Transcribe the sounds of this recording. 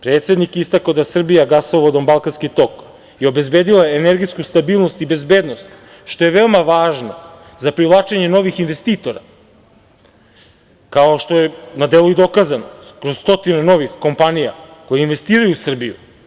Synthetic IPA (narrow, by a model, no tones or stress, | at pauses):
pɾet̪se̞d̪nikist̪akaod̪asr̩bijaɡasoʋod̪ombalˠkanskit̪o̞k | jeo̞be̞zbeːd̪ilaeneɾɡiskust̪abiːlˠno̞st̪ibe̞zbe̞ːd̪no̞st̪ | ʃt̪o̞jeʋe̞omaʋaːʒno | zapɾivlˠaːt͡ʃeɲeno̞ʋixinʋe̞st̪iːt̪o̞ɾa̰ | kaoʃt̪o̞jenad̪eluid̪o̞kazanokɾo̞zst̪o̞t̪ineno̞ʋixko̞mpanija̰ko̞jeinʋe̞st̪iːɾajusr̩bijṵ